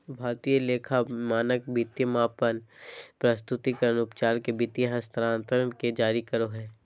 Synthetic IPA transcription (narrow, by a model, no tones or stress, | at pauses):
bʱaːɾt̪iːjəleːkʰamaːnək̚bit̪jəmaːpənpɾɐst̪ʊt̪ikəɾənʊpt͡ʃaːlkebit̪jəɦɐst̪ʰɾãːnt̪əɾənked͡ʒaːɾikɐɾoɦɛː